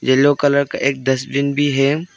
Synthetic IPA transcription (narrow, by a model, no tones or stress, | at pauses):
d͡ʒɐlokɐləɾka̰ʔeːk̚d̪ɐsbɪnbʱiɦeːm